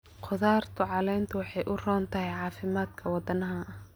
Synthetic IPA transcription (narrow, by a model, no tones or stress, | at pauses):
qʰʊðaːrt̪ʰʊʕɑlɛjnt̪ʰʊwɑħɑjʔʊrɔːnt̪ʰɐɦɛjʕɑːfɪmaːd̪kʰɐwɑd̪ɐnɐɦɐɐ